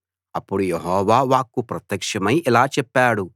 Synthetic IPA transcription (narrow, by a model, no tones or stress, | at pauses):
ɐpːuɽujeɦɔːʋaːʋaːkːupɾɐt̪jɐkʂɐmɐjilaːt͡ʃɛpːaːɽu